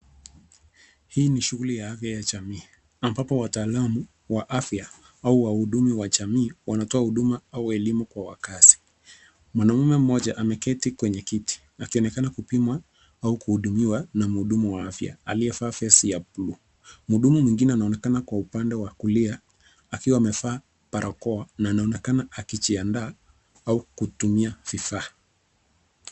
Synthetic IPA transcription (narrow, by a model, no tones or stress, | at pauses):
hiːniʃuɣulijahafjajaʄamiː | ambapɔwataːlamu | waʔafja | auwahuɗumiwaʄamiːwanatɔahuɗumaauɛlimukwawa̰kasi̥ | mwanamumɛm̩mɔʄaʔamɛkɛtikwɛɲɛkiti̥ | akiɔnɛkanakupimwa | aukuhuɗumiwanam̩uɗumuwaafja̰a̰liɛfaːfɛsijapluː | muɗumumwiŋɡinɛanaɔnɛkanakwaupandɛwakulia | akiwaːmɛfaː | paɾʔakɔanaːnaɔnɛkanaakit͡ʃiandaː | aukutumiafifaː